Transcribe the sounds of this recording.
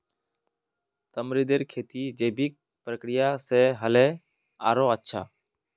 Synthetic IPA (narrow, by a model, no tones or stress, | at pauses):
t̪əmɾid̪eːɾkʰeːt̪iːd͡ʒeːbʱik̚ | pɾəkɾɪjaːsɛːɦəlɛː | a̰ːɾoːətːʃʰa̰ː